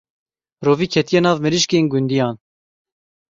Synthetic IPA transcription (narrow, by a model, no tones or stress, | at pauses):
roːviːkʰɛt̪ʰijɛnɑːvmɨɾiʃkeːnɡund̪ijɑːn